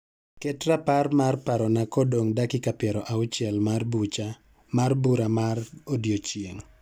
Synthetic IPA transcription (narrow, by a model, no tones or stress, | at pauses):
kɛtɾaparmarpaɾɔnakɔdoŋdakɪkapjɛɾɔʔaʊt͡ʃjɛlmarbut͡ʃa | marbuɾamarodjot͡ʃjḛŋ